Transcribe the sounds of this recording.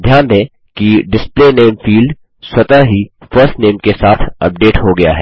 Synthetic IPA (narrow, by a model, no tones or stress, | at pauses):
d̪ʱjaːnd̪ẽ | kiɖɪspleneːmfiːlɖ | swɐt̪aɦifəɾsʈneːmkesaːt̪ʰɐ̰p̚ɖeːʈɦoɡɐja̰ɦɛː